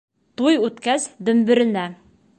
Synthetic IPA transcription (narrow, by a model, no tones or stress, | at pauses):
t̪ujʉt̪kæzd̪ɵ̆mbɘ̆ɾɘ̆næ